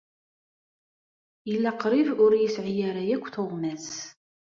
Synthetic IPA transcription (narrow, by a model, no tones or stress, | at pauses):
jəlːæqɾivʊɾjisʕijæɾæjækʷːθoʁmæs